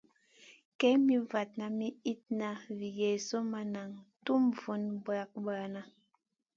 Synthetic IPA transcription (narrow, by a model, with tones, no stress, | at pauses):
kɛ˦mi˦va˨t̚na˨mi˦i˦t̚na˨vi˨jɛ˨so˦ma˨na˨ŋtu˦mvu˨˦nba˨k̚ba˨na˨